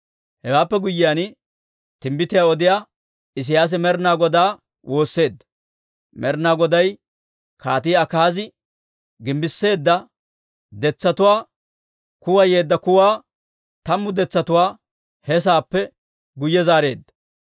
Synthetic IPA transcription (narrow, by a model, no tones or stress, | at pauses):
hɛwaːpːɛɡʊjːɪjaːn | t̪ɪmbɪt̪ɪjaːɔd̪ɪjaː | ɪs̬ɪjaːs̬ɛmɛɾnaːɡɔd̪aː | wo̞ːsːe̞ːd̪ːɐ̥ | mɛɾnaːɡɔd̪ɐj | kʰaːt̪ɪːɐkaːzɪ | ɡɪmbɪsːe̞ːd̪ːɐ | d̪ɛt͡sːɐt̪ʊwaː | kʊwɐje̞ːd̪ːɐkʊwaː | t̪ɐmːʊd̪ɛt͡sːɐt̪ʊwaː | hɛs̬aːpːɛ | ɡʊjːɛzaːɾe̞ːd̪ːɐ̥